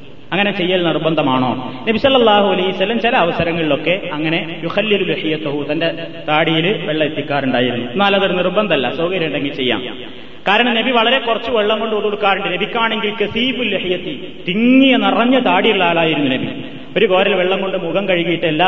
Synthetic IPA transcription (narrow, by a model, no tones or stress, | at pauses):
ɐŋːɐne̞t͡ɕe̞jːɐlnirbɐnd̪ɐmaːɳo̞ːnɐbisɐlːɐlːaːɦuɐlɐiusɐlːɐmt͡ɕilɐːʋɐsɐɾɐŋːɐɭilo̞kːe̞ɐŋːɐne̞juxɐlːiluliħijɐt̪ɐɦut̪ɐnde̞ | t̪aːɽijilʋeɭːɐet̪ːikʲːaːɾuɳɖaːjiɾunːunːaːlɐðoɾnirbɐnd̪ɐlːɐsoːɡɐɾjɐɳɖeŋɡilt͡ɕe̞jːa̰ːm | kaːɾɐɳɐmnebiʋɐɭɐɾe̞kurɐt͡ɕːuʋeɭːɐmɡo̞ɳɖɨkoɽoɽukːaːɾuɳɖɨnebikʲːaːɳe̞ŋɡilkɐθiːfulːiħijɐt̪ːi | t̪iŋːijɐnɐrɐɲːɐt̪aːɽijuɭːaːɭaːjiɾunːunɐbḭ | oɾuko̞ːɾɐlʋeɭːɐmko̞ɳɖɨmuɣɐmkɐɻiɣɐjiʈːɨelːaː